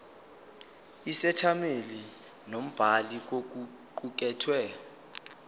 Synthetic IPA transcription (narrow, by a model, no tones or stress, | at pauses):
isɛtʰameli | nom̩b̥ʱalik̬ok̬u | ǃuk̬ɛːtʰwɛ